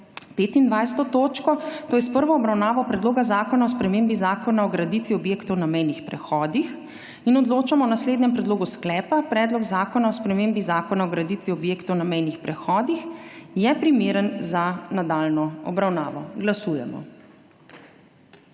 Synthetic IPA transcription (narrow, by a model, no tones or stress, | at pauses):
peːt̪ind̪ʋajst̪ɔt̪oːt͡ʃkɔt̪oːjɛspəɾʋɔːbɾawnaːʋɔpɾɛd̪loːɡazaːkɔnaɔspɾɛmeːmbizaːkɔnaɔɡɾad̪it̪ʋiɔbjeːkt̪ɔwnamɛjnixpɾɛxɔːd̪ix | inɔd̪loːt͡ʃamɔnasleːd̪nɲɛmpɾɛd̪loːɡusklɛːpapɾɛːd̪lɔɡzaːkɔnaɔspɾɛmembizaːkɔnaɔɡɾad̪it̪ʋiɔbjeːkt̪ɔwnamɛjnixpɾɛxɔːd̪ixjɛpɾimeːɾənzanad̪aːlnɔɔ̰bɾawnaːʋɔɡlasuːjɛ̰mɔ̰